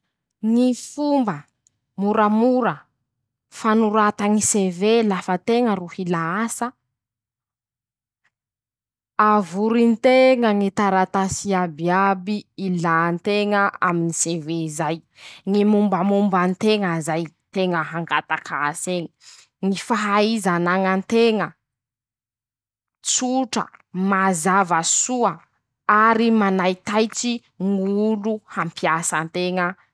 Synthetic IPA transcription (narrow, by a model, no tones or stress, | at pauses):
ŋifumbə | muɾəmuɾə | fanuɾat̪aŋisevelafət̪eŋəruhilaasə | avuɾint̪eŋəŋit̪aɾat̪asiabiabiilant̪eŋəa̰miniseveizaj | ŋimumbəmumbant̪eŋəzajt̪eŋəɦaŋɡat̪akaaseŋi̥ | ŋifaɦaizanaŋant̪eŋə | t͡suʈ͡ʂə̰mazavəsuə | aɾimanajt̪ajt͡si | ŋuluhampiasənt̪eŋə